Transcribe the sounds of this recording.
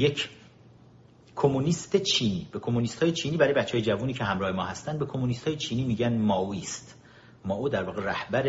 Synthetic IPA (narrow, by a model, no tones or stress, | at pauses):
jecʰ | kʰomunist̪ʰet͡ʃʰiːniːbekʰo̞munist̪hɒːjet͡ʃʰiːniːbæɾɒːjebæt̪ːt͡ʃʰːeːjed͡ʒævuːniːcʰeɦæmɾɒːhe̞mɒːhæst̪ænd̪̚be̞kʰo̞munist̪hɒːjet͡ʃʰiːniːmiːɟænd̪mɒːuiːst̪ | mɒːʔuːd̪æɾvɒːɣeɾæhbæɾe